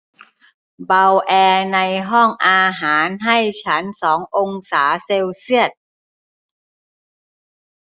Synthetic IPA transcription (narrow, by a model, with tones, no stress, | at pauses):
ba˧wʔɛː˧na˧jɦɔ˥˩ŋʔaː˧ɦaː˩˦nɦa˥˩jt͡ɕʰa˦˥nsɔː˩˦ŋʔo˧ŋsaː˩˦seː˧wsi˥˩ət̪̚